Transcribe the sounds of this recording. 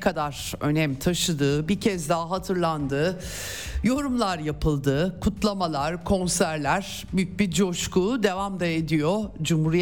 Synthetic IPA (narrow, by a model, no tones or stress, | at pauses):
kʰad̪aɾ̥ø̞̰nɛmt̪ʰaʃɯd̪ɯːbiɾcʰɛzd̪aɦaɦat̪ʰɯɾlˠand̪ɯː | jo̞ɾumlˠaɾjapʰɯlˠd̪ɯkʰut̪lˠamalˠaɾkʰo̞nsæɾlʲæɾ̥ | byjc̚bid͡ʒo̞ʃkuːd̪e̞vamd̪aed̪ijod͡ʒumhuɾij